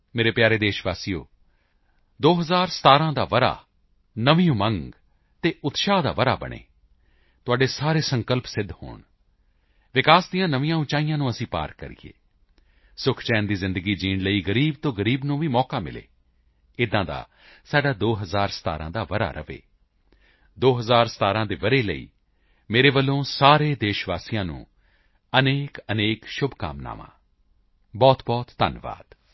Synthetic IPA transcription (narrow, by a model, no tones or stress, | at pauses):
meːɾeːpjaːɾeːd̪eːʃʋaːsijo̰ː | d̪oːɦəzaːɾsə̥t̪aːɾãːd̪aːʋəɾa̰ː | nəʋĩːõːməŋɡ | t̪eːʊt̪ʃaːd̪a̰ːʋəɾa̰ːbə̰ɳḛː | t̪ʊaːɖeːsaːɾeːsə̃ŋkəlpsɪd̪ho̰ːɳ | ʋɪkaːsd̪ɪjãːnəʋĩjãːʊ̃t͡ʃaːijãːnũːəsĩːpa̰ːɾkə̰ɾḭjḛː | sʊkʰt͡ʃɛːnd̪iːzɪ̃nd̪əɡiːd͡ʒiːnləiːɡəɾiːb̚t̪õːɡəɾiːbnũːʋĩːmɔːkaːmɪ̰lḛː | ɪd̪ãːd̪a̰ː | saːɖaːd̪oːɦəzaːɾsə̥t̪a̰ːɾã̰ːd̪aːʋəɾa̰ːɾə̰ʋḛː | d̪oːɦəzaːɾsə̥t̪aːɾãːd̪eːʋəɾeːləḭː | meːɾeːʋəlːõːsaːɾeːd̪eːʃʋaːsijãːnṵ̃ː | əneːkəneːkʃʊbka̰ːmna̰ːʋã̰ː | bɔːt̪bɔːt̪ːə̰nʋa̰ːd̪̥